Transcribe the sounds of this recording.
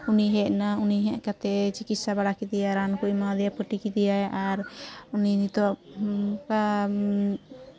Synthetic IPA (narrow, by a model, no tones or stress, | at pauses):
uniɦɛʔnauniɦɛʔkat̪ɛt͡ʃikit̪̚sabaɽakid̪ijaɾankumad̪ɛjapəʈikid̪ijajʔaɾuninit̪ɔʔka